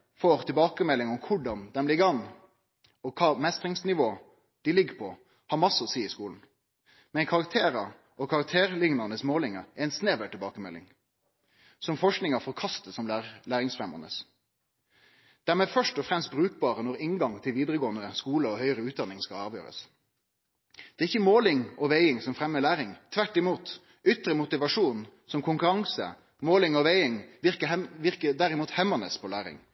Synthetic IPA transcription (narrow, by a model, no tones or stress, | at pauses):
foːʁt̪ʰɪlbɑːkəmɛlːɪŋɔmkʰʊɖɑnd̪ɛmlɪɡɑn | ɔkʰɑːmɛst̪ɾɪŋsnɪʋoː | d̪̥ɪlɪɡəpʰɔ | hɑɾmɑsːəɔsiːɪskuːln̩ | mɛnkʰɑʁɑk̚t̪ʰeːɾɑ | ʔɔkʰɑʁɑk̚t̪ʰeːʁlɪŋnɑnəsmoːlɪŋɑɛɪnsneːʋəʈɪlbɑːkəmɛ̰lːɪ̰ŋ | sɔmfɔʂknɪŋɑfɔɾkʰɑst̪əsɔmlælæːʁɪŋsfʁɛmə̰nə̰s | d̪̥æɾmeːfœʂʈɔfʁɛmst̪bɾʉːk̚bɑːɾənɔɾɪŋɡɑŋt̪ʰɪlʋiːd̪ɾəɡoːənəskuːləɔhœʏəɾəʉːt̪̚d̪ɑnɪŋskɑlɑːʋjø̰ːɾə̰s | d̪̥ɛːʁɪçəmoːlɪŋɔʋeɪɪŋsɔmfɾɛmːəlæːɾɪŋt̪ʰʋæʈːɪmuːt̪ | ʏt̪ɾəmʊt̪ɪʋɑʂuːnsɔmkʰʊŋkʉɾɑŋsə̰ | moːlɪŋɔʋeɪɪŋʋɪʁkəʋɪʁkəd̪æɾɪmuːt̪hɛmənəspʰɔlæːɾɪ̰ŋ